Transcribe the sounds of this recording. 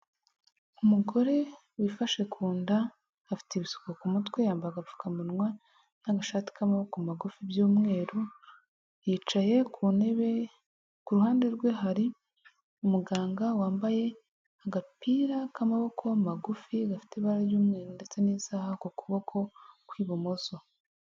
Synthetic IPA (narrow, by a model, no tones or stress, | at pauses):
umuɡo̞ɾe̞ | wifaʃe̞kʰuːndaː | fi̥teβisu̥kokumutkwejaːmbaɡafu̥kamunŋwa | naɡaʃaːti̥kamaβo̞komaɡufibjuːmŋe̞ːɾo | jiːt͡ʃaje̞kʰuneβe | kuɾuhaːnde̞ɾɡwe̞ɦaɾi | umuɡaːŋɡawaːmbaje̞ | aɡapiːɾakamaβo̞kʰo̞maɡufiɡafi̥teβaɾaɾjuːmŋe̞ːɾonde̞t͡se̞niːsaːhakokuβo̞kʰo̞kwiːβomoso̞